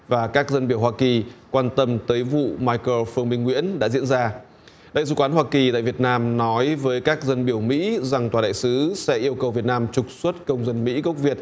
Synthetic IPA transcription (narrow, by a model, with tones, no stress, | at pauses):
vaː˨˩kaː˦˥k̚zə˧nɓi˧˩əwhwaː˧ki˨˩kwaː˧nt̪ə˧mt̪əː˨˦jvṵ˧˨maː˧jkə˧fɨ˧əŋɓï˧ŋŋwḭ˧˥ənɗa̰ː˧˥zḭ˧˥ənzaː˧ | ɗa̰ː˧˨jsɨ̰˧˩kwaː˨˦nhwaː˧ki˨˩t̪a̰ː˧˨jvət̚naː˧mnɔ˨˦jvəː˨˦jkaː˦˥k̚zə˧nɓi˧˩əwmḭ˧˥za˨˩ŋt̪waː˨˩ɗa̰ː˧˨jsɨ˨˦sɛ̰˧˥ʔi˧əwkə˨˩wvi˨˩ət̚naː˧mt͡ɕʊ˨˩k͡p̚swə˦˥t̚kə˧wŋ͡mzə˧nmḭ˧˥ɣə˦˥wk͡p̚vi˨˩ət̚